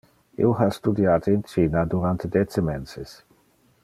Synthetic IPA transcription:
ḭoɦast̪ud̪jaːt̪eint͡ʃiːnad̪uɾant̪ed̪ɛt͡semɛnses

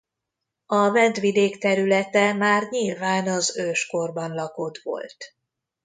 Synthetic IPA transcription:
ɒvɛnd̪ʋid̪eːkt̪ɛɾylɛt̪ɛmaːrɲilvaːnɒzøːʃko̞rbɒnlɒko̞d̪ʋo̞̰lt̪

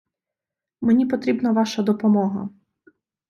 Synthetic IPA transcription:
menʲipɔt̪ɾʲibnɐʋɑʃɐd̪ɔpɔmɔɦɐ̰

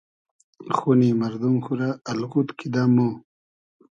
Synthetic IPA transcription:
xunimɐɾd̪umxuɾaːlkut̪kʰid̪amo

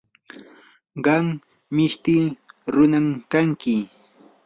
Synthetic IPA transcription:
ɢɑm | mɪʃt̪iːɾʊnamkaŋkɪ

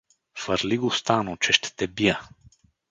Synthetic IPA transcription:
fəɾliɡʊst̪anʊt͡ʃɛʃt̪ɛ̥t̪ɛbijə

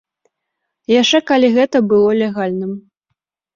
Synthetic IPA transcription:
jaʂt͡ʂɛkalʲiɣɛt̪ɐbɨlˠɔlʲɛɣalʲnɨm

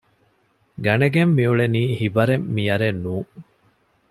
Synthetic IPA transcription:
ɡɐneɡemːiuɭeniːhibɐɾemːijɐɾenːuːŋ

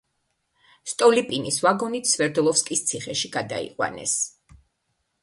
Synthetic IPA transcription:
st̪ʼɔlipʼinisvaɡɔnit̪svɛɾd̪ɔlˠɔfskʼist̪sʰiχɛʃiɡad̪a̰ḭqʼwa̰nɛ̰s

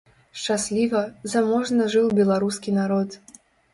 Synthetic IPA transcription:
ʂt͡ʂasʲlʲivɐzamɔʐnɐʐɨwbʲɛlˠaɾuskʲinaɾɔt̪

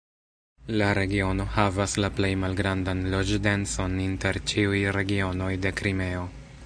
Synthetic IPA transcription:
laɾe̞ɡio̞no̞havaslaple̞jmalɡɾandanlo̞d͡ʒdenso̞ninte̞ɾt͡ʃiujɾe̞ɡio̞no̞jde̞kɾime̞o̞

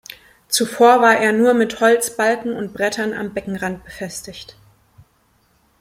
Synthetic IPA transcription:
t͡sufoːɐvaːɐʔeːɐnuːɐmɪthɔlt͡sb̥alkŋ̩ʊntb̥ʁɛtʰɐna̰mbɛkŋ̩ʁant̚b̥əfɛstɪçt

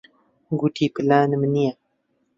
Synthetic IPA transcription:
ɡuʈʰipilaːnmnija

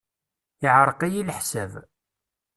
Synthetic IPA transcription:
ɪʕɾˤəqæjilħsæv

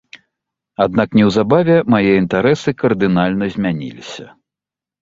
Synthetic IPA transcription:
ad̪naknʲɛwzabavʲɛmajɛint̪aɾɛsɨkɐrd̪ɨnalʲnɐzʲmʲanʲḭlʲḭsʲɐ̰

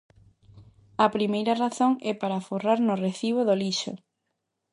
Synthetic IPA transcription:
ɐpɾimejɾɐraθoŋɛpaɾaforaɾnʊreθiβʊðoliʃʊ̰

